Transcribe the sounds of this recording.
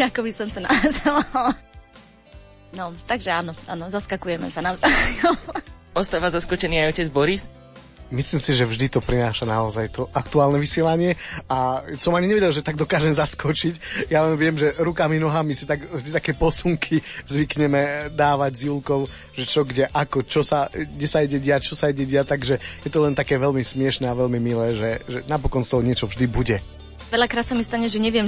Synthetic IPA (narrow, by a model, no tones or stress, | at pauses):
akɔbisɔmt̪ɔna̰zɛlal | nɔt̪aɡʒɛaːnɔʔa̰ːnɔzaskakujɛmɛ̰sanavzajɔ | ɔst̪aːʋazaskɔt͡ʃɛniːajɔcɛd͡zbɔɾis | misliːmsiʒɛvʒd̪it̪ɔpɾinaːʃanaɔzajt̪ɔʔakt̪uaːlnɛʋisɪɛlaɲɪɛasɔmaɲiɲɛʋɛɟɛlʒɛt̪aɡ̚d̪ɔkaːʒɛmɛzaskɔt͡ʃicjalɛnʋɪɛmʒɛɾukaminɔɦamisit̪aɡvʒd̪it̪akɛːpɔsuŋkʰizʋikɲɛmɛd̪aːʋaɟzjulkɔʊ | ʒɛt͡ʃɔɡɟɛʔakɔt͡ʃɔsaɡdɛsaiɟɛɟɪat͡ʃɔsaiɟɛɟɪat̪aɡʒɛjɛt̪ɔlɛnt̪akɛːʋɛlmismɪɛʃnɛːaʋɛlmimilɛːʒɛʒɛnapɔkɔnst̪ɔɦɔɲɪɛt͡ʃɔvʒd̪ibuɟɛ | ʋɛʎakɾaːt̪samist̪aɲɛʒɛɲɛʋɪjɛm